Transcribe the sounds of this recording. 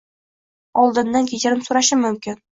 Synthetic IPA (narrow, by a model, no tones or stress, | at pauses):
ɒlˠd̪ɤ̆nːankʲʰit͡ɕɘ̆ɾɘmsuɾɑʃəmɵ̆mkʲɪn